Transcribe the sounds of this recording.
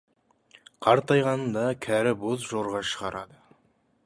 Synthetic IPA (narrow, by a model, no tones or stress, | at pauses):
qʰɑɾt̪ɑjʁɑnnd̪ɑkʲʰæɾɪbozʒoɾʁɑʃəʁɑɾɑd̪ə